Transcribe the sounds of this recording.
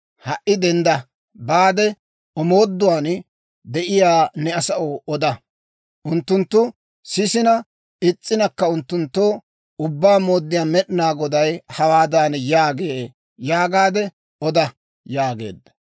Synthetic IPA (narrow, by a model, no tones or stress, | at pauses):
hɐʔːɪd̪ɛnd̪ɐ | baːd̪ɛ | ɔmo̞ːd̪ːʊwaːn | d̪ɛʔɪjaːnɛɐsɐʔoʔɔd̪ɐ | ʔʊnt̪ːʊnt̪ːʊ | sɪsɪnɐ | ɪt͡sʼːɪnɐkːɐʊnt̪ːʊnt̪ːoː | ʊbːaːmoːd̪ːɪjaːmɛɗnaːɡɔd̪ɐjhɐwaːd̪aːnjaːɡeː | jaːɡaːd̪ɛ | ɔd̪ɐ | jaːɡe̞̰ːd̪ːɐ̥